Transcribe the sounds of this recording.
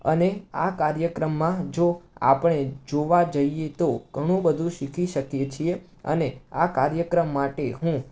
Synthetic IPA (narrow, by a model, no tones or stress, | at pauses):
ə̰nea̰kaɾjəkɾəmːãd͡ʒoa̰pəɳ̃ed͡ʒoʋad͡ʒəijet̪oɡ̥ʱəɽ̃ũbəd̪ʱũʃikʰiʃəkjet͡ʃʰie | ə̰neakaɾjəkɾəmːaʈeɦũ